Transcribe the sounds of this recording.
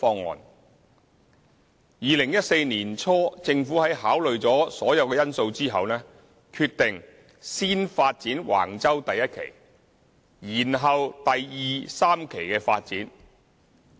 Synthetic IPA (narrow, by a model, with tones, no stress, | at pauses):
fɔː˧ŋːɔ̰ː˨n | jiː˨lɪ˨˩ŋjɐ˥t̚se˧jniː˨˩nt͡sʰɔː˥t͡sɪ˧ŋfuː˨˥hɐ˨˥jɦaː˨˥wlɵ˨ɥt͡sɔː˨˥sɔː˨˥jɐ˨˧wkɛː˧jɐ˥nso˧wt͡siː˥ɦɐ˨wnɛː˥ | kʰy˧t̚t̪ɪ˨˩ŋ | siː˥nfaː˧t̚t͡siː˨˥nwʔa̰ː˨˩ŋt͡sɐ˥wt̪ɐ˨jːɐ˥t̚kʰḛ˨˩j | jiː˨˩nɦɐ˨wt̪ɐ˨jjiː˨˧saː˥mkʰe˨˩jkɛː˧faː˧t̚t͡siː˨˥n